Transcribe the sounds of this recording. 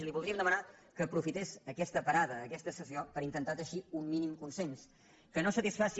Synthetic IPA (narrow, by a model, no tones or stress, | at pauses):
liβulˠd̪ɾiəmd̪əmənakəːpɾufit̪ezəkɛst̪əpəɾaðəːkɛst̪əsəziopəɾint̪ənt̪at̪əʃiummːinimkunsens | kənosət̪isfasi